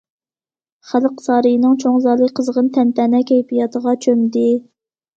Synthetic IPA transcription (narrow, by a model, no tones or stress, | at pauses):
χælqsɑːɾɨjinɨŋt͡ʃʰoŋzɑːlˠɨkʲqʰəzʁənt̪ʰɛnt̪ʰɛnɛkʲɛjpʰijɑt̪ʰəʁɑt͡ʃʰømd̪ɪ